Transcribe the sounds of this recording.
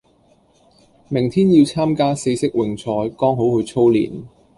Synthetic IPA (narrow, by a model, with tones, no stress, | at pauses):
mɪ˨˩ŋt̪ʰiː˥njiː˧wt͡sʰaː˥mkaː˥se˨˧jsɪ˥k̚wɪ˨˩ŋt͡sʰɔː˧jkɔː˥ŋɦo˨˥whɵ˨˧t͡sʰo˥wlḭː˨˩n